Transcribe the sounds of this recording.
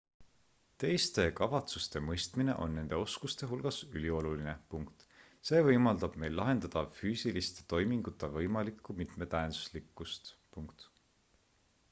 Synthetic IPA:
t̪e̞jst̪e̞kɑvɑt̪sust̪e̞mɤjst̪mine̞̰ʔo̞̰nːe̞nd̪̥e̞o̞skust̪e̞ɦulɡ̥ɑsylʲio̞luline̞puŋkt̪ | se̞ːvɤjmɑld̪ɑb̥me̞jlːɑɦe̞nd̪ɑd̪̥ɑfyːsilist̪e̥t̪o̞jmiŋɡ̥ut̪ːˑevɤjmɑlikːˑumit̪me̞t̪æensu̥slikːˑust̪puŋkt̪

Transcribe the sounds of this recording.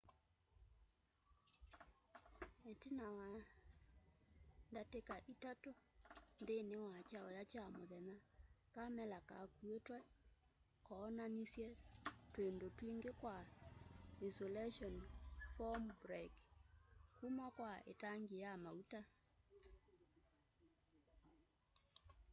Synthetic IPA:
etenawa | ndatekaʔitatondenewat͡ʃaɔjat͡ʃamoðɛnakamɛlaka̰kuetwɛ | kɔnanisjɛtwendotwiŋɡekwa | isolɛʃɔnfɔmbɾek | kumakwaḛtaŋɡejamauta

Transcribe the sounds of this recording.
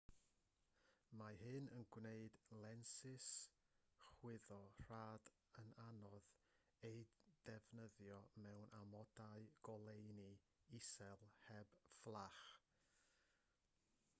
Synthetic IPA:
maɦɨnənɡwneɨdlˠɛnsɪs | χwɪðɔr̥aːd | ənanɔð | ejd̥ɛvnəðjɔmɛwnʔamɔd̥aɨɡ̥ɔlˠejni | isɛlˠhɛb̥flˠaχ

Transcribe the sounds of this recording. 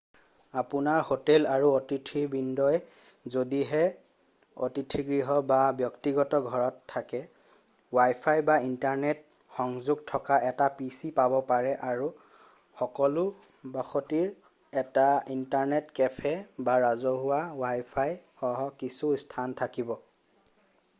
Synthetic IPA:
apunaɹhotɛlaɹuotitʰibindɔj | zodiɦɛ | o̰titʰiɡɹiɦɔbabjɔktiɡɔtɔɡʱɔɹɔtʰːakɛ | wajpʰajbaintaɹnɛt̚ | xɔŋzuɡ̚tʰɔkaʔɛtapisipabɔpaɹɛʔaɹu | xɔkɔlʊ | baxotiɹ | ɛtaintaɹnɛtkɛpʰɛbaɹazɔɦʊwawajpʰajxɔɦɔkisustʰantʰakibɔ

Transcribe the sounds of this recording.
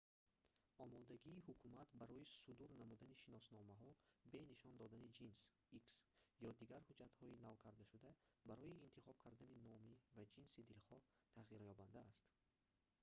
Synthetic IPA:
ɔmɔd̪aɡiːhukʰumat̪baɾɔisud̪uɾnamud̪aniʃinɔsnɔmaɦɔbe̞niʃɔnd̪ɔd̪anid͡ʒins | iksjɔd̪iɡaɾhud͡ʒat̪hɔinavkʰaɾd̪aʃud̪abaɾɔiːnt̪ʰiχɔb̥̚kʰaɾd̪aninɔmivad͡ʒinsid̪ilχɔt̪ʰaʁiɾjɔband̪aːst̪

